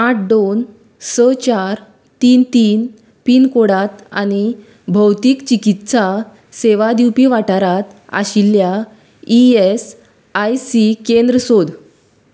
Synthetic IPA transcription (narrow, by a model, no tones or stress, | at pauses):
aʈ̚ʰɖ̪on | sət͡ɕaɾ | t̪iːnt̪iːn | piːnkoɽat̪a̰ñi | bʱəwt̪iːkt͡ɕikit̪sa | seʋad̪iwpiʋaʈaɾat̪a̰ɕilːja | ies | ajsikend̪ɾəsod̪